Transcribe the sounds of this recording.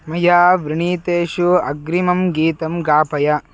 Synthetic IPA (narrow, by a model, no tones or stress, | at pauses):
mɐjaːʋɾiɳiːt̪eːʃuɐɡɾimɐmɡiːt̪ɐmɡaːpɐjɐ